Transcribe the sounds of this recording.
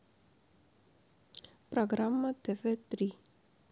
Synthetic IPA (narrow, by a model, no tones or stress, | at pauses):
pɾoɣɾamːɐt̪evet̪ɾi